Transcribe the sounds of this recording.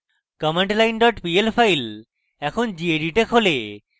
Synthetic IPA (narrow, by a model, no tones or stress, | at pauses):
kɔmeɳʈlajnɖɔʈpielfʰajl | ɛkʰond͡ʑieɖiʈekɦole